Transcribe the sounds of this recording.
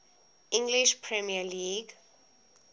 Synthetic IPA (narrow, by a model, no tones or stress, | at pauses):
ʔĩŋɡliʃpʰɹɛmialiːɡ